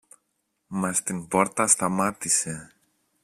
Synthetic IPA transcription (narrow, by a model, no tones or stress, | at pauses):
mɐst̪inpo̞ɾt̪ɐst̪ɐmɐt̪ise̞